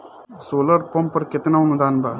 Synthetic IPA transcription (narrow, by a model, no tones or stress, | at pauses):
soːləɾpɐmpɐɾkɪt̪naːunud̪aːnbaː